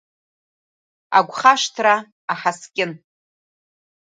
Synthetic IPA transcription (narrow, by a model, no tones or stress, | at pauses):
a̰ɡʷχaʂtʰraː | ħaskʲʼɪn